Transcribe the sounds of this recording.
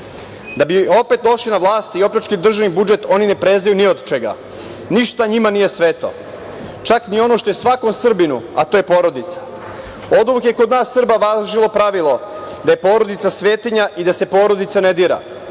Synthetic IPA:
d̪abio̞pe̞t̪d̪o̞ʃlinaʋlˠaːst̪iio̞pʎat͡ʃkid̪r̩ʒaʋnibud͡ʒe̞t̪o̞nine̞pɾeznajuniod̪t͡ʃeɡa̰ | niʃt̪aɲimanije̞sʋet̪o̞̰ | t͡ʃaknio̞no̞ʃt̪o̞je̞sʋako̞msr̩binṵat̪o̞ːje̞po̞ːɾo̞d̪it̪sḁ | o̞d̪ʋukjekod̪naːsːr̩baʋazʒilˠo̞pɾaʋilˠo̞d̪aje̞po̞ːɾo̞d̪it̪sasʋe̞ːt̪iɲaʔid̪ase̞po̞ːɾo̞d̪it̪saned̪iːɾa̰

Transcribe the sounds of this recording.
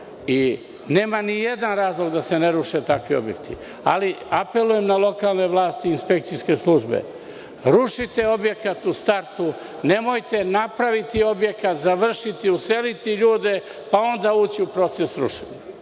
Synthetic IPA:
i | neːmanije̞d̪anɾaːzlˠo̞ɡd̪ase̞ne̞ɾuʃe̞t̪akʋiobje̞̰kt̪ʰḭ | a̰liape̞luje̞mnalˠo̞kaːlˠne̞ʋlˠaːst̪iːnspe̞k̚t̪sijske̞slˠuʒbḛ | ɾuʃit̪e̞o̞bje̞kat̪ust̪aɾt̪u | ne̞mo̞jt̪e̞napɾaʋit̪io̞bje̞kat̪zaʋr̩ʃit̪iuse̞lit̪iʎuːd̪e̞ | pao̞nd̪auːt͡ɕiupɾo̞t̪sesɾṵʃeɲa

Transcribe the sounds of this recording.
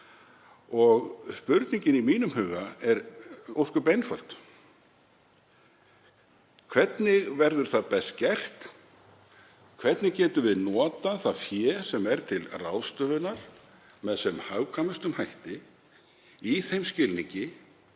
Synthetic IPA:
ɔɣspʏɾt̪niɲcɪnimiːnʏmhʏːɣaɛɾowskʏpejnfœl̥t̪ | kʰvɛt̪nɪɣvɛɾðʏɾ̥θaðpɛst̪̚cɛr̥t̪ | kʰvɛt̪nɪɣcɛːt̪ʏvɪðnɔːt̪aθaðfjɛːsɛmɛɾt̪ʰɪlrawst̪œːðʏnaɾ̥ | mɛðsɛmhawkʰamɪst̪ʏmhajht̪ɪ | iθejmscɪlniɲcɪ

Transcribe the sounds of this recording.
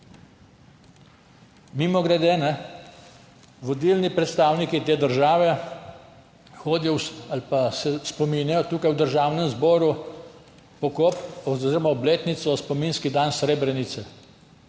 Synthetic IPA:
mimɔɡɾɛd̪eːnɛ | ʋɔd̪ilnipɾɛt̪st̪aːwnikit̪eːd̪əɾʒaːʋɛ | xoːd̪ijɔalpasɛspɔminjajɔt̪uːkajwd̪əɾʒaːwnɛmzbɔːɾu | pɔkopɔziːɾɔmaɔbleːt̪nit̪sɔspɔmiːnskid̪ansɾeːbɾɛnit̪sɛ

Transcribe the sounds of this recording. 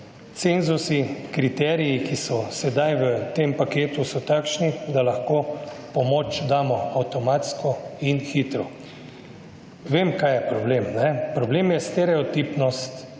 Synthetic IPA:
t̪senzusikɾit̪ɛːɾijikisɔsɛd̪ajʋət̪empakeːt̪usɔt̪akʃnid̪alaxkoːpɔmoːt͡ʃd̪aːmɔawt̪ɔmat̪skɔinxit̪ɾɔ | ʋemkajɛpɾɔbleːmnɛpɾɔbleːmjɛst̪ɛɾɛɔt̪iːpnɔst̪

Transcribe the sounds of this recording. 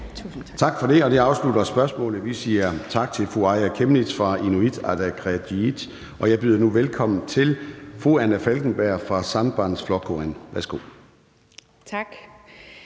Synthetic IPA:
t͡sʰɑ̈ɡ̥fɒ̽ɾ̥e̝ɒ̽diɑ̈ʊslud̥ɐsb̥ɶɐsmɔ̰̽ːlð̩ˠʋisiːɐt͡sʰɑ̈ɡ̥̚t͡sʰe̝lfʁuɑ̈ɪækʰemnid̥fʁɑ̈ʔinuid̥æd̥æɡ̥ʰʁɛd̥iid̥ | ʔɒ̽jɑ̈ɪb̥yðˠɐnuʋelkʰɒ̽m̰n̩t͡sʰe̝lfʁoænæfælɡ̥n̩b̥æɐ̰fʁɑ̈sɑ̈nb̥ɑnsflɒkʰoenʋæɐsɡ̥o̝̰ː | t͡sʰaɡ̥

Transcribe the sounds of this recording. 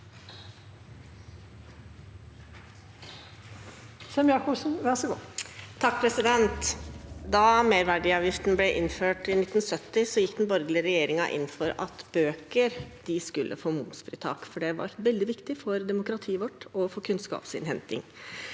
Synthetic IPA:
sɛmjɑkɔbsn̩ʋɛnsəɡot̪ʰːɑk̚ːpʰɾɛsɪd̪ɛnt̪d̪ɑmeːɾʋæɖɪɑʋjɪft̪nəblɛʔɪnføːʈɪnɪt̪ːn̩sœt̪ːɪsɔjɪkːd̪nbɔɾɡlɪəɾɛjeːɾɪŋɑʔɪ̰nːfɔɾɑ̰t̪b̥øːkəɾd̪̥ɪskʉlːʔə̰foːmʊmsfɾiːt̪ʰɑ̰ːkfɔɖɛʋɑ̰ɾʋɛld̪ɪʋɪkt̪ɪfɔɾd̪ɛmʊkɾɑt̪ʰiːəʋɔʈːɔfɔkʰʉnskɑ̰ːpsɪ̰nhɛnt̪ɪ̰ŋ

